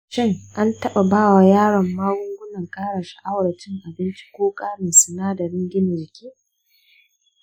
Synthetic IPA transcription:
ʃɪ˦ŋʔa˦ntɐ˦ɓa˨baː˦˨wa˨jaː˦ɽɐ˨mːaː˦ɡʷʊ˦ŋɡʷʊ˦nɐ˨ŋkʼaː˦ɽa˨ʃi˦ʔa˦wɽɐ˨t͡ʃɪ˦ŋʔa˨bɪ˦nt͡ʃi̥˦kʷoː˦kʼaː˦mɪ˨nsɪ˨naː˦dɐ˨ɾɪ˦ŋɡʲɪ˦nɪ˨d͡ʒɪ˨kʲiː˦

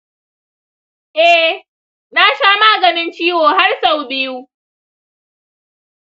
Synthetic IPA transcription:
ʔɛ˦ | naː˦ʃaː˦maː˦ɡɐ˨nɪ˦nt͡ʃiː˦woː˨ha˦rsa˨wbɪː˦juː˦

